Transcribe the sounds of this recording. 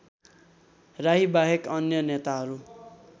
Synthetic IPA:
raɦibaɦekʌnjʌnet̪aɦʌɾu

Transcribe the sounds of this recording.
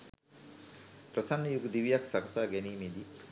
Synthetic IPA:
pɾəsanːəjuɡud̪iʋijaksaɡɐsaːɡɛniːmed̪i

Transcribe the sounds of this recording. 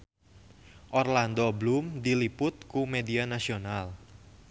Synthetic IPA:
ʔɔrland̪oblumdilipʊt̪̚kumedianasional

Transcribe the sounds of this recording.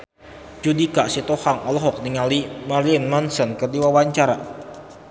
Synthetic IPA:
d͡ʒudikaʔsit̪ohaŋɔlɦɔk̚niŋalimaɾiənmansənkərdiwawaɲt͡ʃaɾa̰

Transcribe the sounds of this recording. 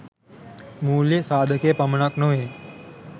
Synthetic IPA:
muːljəsaːd̪ʱəkeːpɐmɳaknoɦe

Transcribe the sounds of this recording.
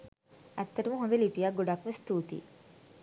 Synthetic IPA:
ɛt̪ːɐɾɐmuɦõnd̪elipijaɡuɖaːkmest̪uːt̪ḭ

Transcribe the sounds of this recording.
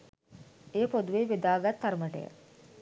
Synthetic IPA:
eːpod̪uʋeːʋed̪aːɡat̪ːaɾməʈə̰jə̰

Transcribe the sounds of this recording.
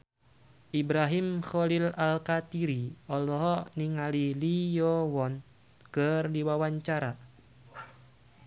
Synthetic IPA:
ʔibɾaɦimxɔlilalkat̪iɾiɔlɔɦɔniŋalilijɔwɔn | kɨrdiwawaɲt͡ʃaɾa

